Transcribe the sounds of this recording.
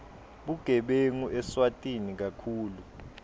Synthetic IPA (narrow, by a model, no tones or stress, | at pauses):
ɓuɡ̥ʱɛɓeŋuʔɛswatʼinik̬akʰuːlu